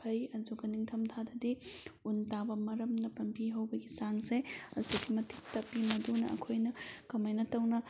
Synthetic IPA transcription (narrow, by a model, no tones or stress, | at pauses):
pʰɐjɐduɡɐniŋtʰɐmtʰadɐdiuntabɐmɐɾɐmnɐpɐnpiɦɐwbɐɡisaŋseɐ̰sukʰimɐtik̚tɐpːimɐdunɐɐ̰kʰojnɐkɐmɐjnɐtɐwnɐ